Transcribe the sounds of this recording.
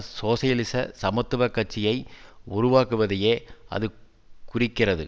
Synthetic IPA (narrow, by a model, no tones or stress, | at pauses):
soːsɐjɐlɪsɐ̰sɐmɐt̪ːɯʋɐkːɐʈ̚t͡ʃːɪjɐɪʊɾʊʋaːkɯʋɐðɐjeːɐ̰ðɯ | kʊrɪkːɪrɐðɯ